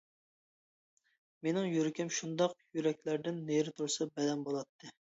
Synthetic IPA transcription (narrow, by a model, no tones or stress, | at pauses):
menɪŋjyɾɪkʲɪmʃund̪ɑqjyɾɛkʲlæɾd̪ɪnːeɾɪt̪ʰuɾsɨbɛd̪ɛnbolˠɑt̪ʰːɨ